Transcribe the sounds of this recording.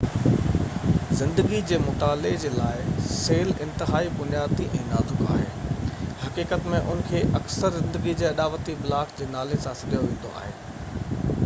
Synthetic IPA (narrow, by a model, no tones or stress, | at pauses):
zɪ̃nd̪əɡid͡ʑeːmʊt̪aːled͡ʑeːlaːɪseːlɪ̃nt̪ɪɦaːibʊnijaːd̪iʔɛ̃ːnaːt̪ʰʊka̰ːɦḛːhɐkiːkət̪mẽʔʊnəkʰeːʔɐksəɾzɪ̃nd̪əɡid͡ʑeːɐɗaːʋət̪ibɪlaːkd͡ʑeːnaːlesãsɐɗijoʋẽːn̆d̪o̰a̰ːɦeː